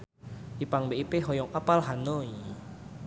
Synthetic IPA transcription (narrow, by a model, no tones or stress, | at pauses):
ʔipaŋbeipeɦɔjɔŋʔapalɦanoi